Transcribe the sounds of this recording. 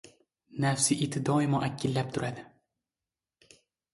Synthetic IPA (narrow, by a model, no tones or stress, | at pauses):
nafsɪʔɪt̪ʰɪd̪ɒɪmɒʔakʲʰːɪlːap̚t̪ʰʊɾʔad̪ɪ